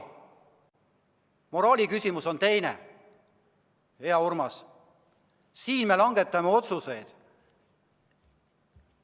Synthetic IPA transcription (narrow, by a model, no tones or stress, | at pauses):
mo̞ɾɑːlʲikysimuso̞nt̪e̞jnḛ | he̞ɑurmɑs | siːnme̞lɑŋɡ̥e̞t̪ːˑɑmeo̞t̪suse̞jd̪̥